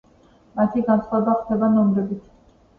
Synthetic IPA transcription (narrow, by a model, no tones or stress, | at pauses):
mat̪ʰiɡansχaɛbaχd̪ɛbanɔmɾɛbit̪ʰ